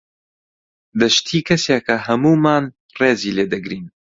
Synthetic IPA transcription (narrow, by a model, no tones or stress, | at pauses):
d̪ɐʃt̪ʰiːkʰɐseːkʰɐhɐmuːmaːn | reːziːleːd̪ɐɡɾiːn